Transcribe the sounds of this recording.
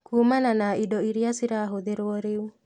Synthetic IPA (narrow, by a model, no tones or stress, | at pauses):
kumananaidɔiɾiasiɾaɦoðeɾwɔɾeu